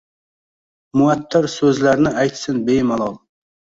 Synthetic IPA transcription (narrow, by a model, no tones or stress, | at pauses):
mʊat̪ʰːɪɾsɵzlaɾnɪʔajt̪sɪnbejmalˠɑlˠ